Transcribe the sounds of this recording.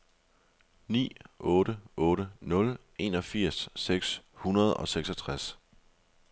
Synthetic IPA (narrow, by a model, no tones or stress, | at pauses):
nḭːɔ̽ːɾəʔɔ̽ːɾənɔ̽l | e̝ːnɒ̽fiɐ̰sːeɡ̥shunɐð̞ˠɒ̽seɡ̥sɒt͡sʰʁas